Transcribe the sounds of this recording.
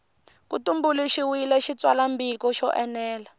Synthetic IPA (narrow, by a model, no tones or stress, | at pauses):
kutumbuliʃiwilɛʃit͡swalambikɔʃɔʔɛnɛːla